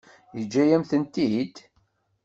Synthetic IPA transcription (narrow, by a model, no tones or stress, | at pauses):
jəd͡ʒːæjæmθənt̪id̪